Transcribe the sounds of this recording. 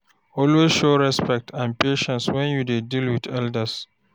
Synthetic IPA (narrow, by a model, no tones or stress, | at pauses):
ɔlwesʃoɹɛspɛk̚tʰãnpeʃɛ̃nswɛ̃njudedilwidɛldəs